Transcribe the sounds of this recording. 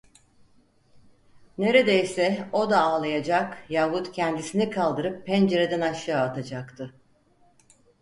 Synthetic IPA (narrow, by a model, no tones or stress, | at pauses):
ne̞ɾe̞d̪ejsɛo̞d̪aːlˠajad͡ʒakjavut̪cʰɛnd̪isinikʰalˠd̪ɯɾɯpʰːɛnd͡ʒe̞ɾed̪ænaʃaːt̪ʰad͡ʒakt̪ʰɯ